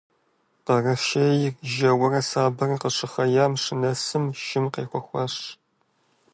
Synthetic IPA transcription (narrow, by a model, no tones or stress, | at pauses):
pɐrɐfʃejɪrʒɐwɐrɐsaːbɐrɐqəʂɨχɐjaːmʂɪnɐsɨmʃɪmqeːxʷɔxʷɑɕ